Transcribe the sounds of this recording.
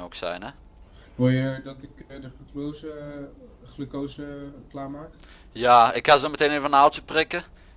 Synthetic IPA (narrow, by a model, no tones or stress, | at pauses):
oksɛ̰jnɛ | ʋojədɔtɪkdəχləklowzə | χləkowzəklaːmaːk | jaɪkhasdɔməteːneːvənaltəprɪkə